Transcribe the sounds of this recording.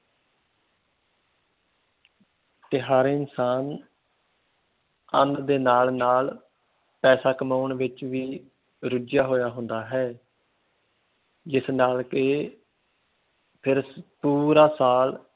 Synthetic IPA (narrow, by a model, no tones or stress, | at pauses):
t̪ɪɦaːɾeːɪnsaːn | ə̰̃nd̪d̪eːnaːlnaːl | pɛːsaːkəmaːɳʋɪt͡ʃʋiː | ɾʊd͡ʒjaːɦoːjaːɦʊ̃nd̪aːɦɛː | d͡ʒɪsnaːlke | pʰɪɾpuːɾaːsaːl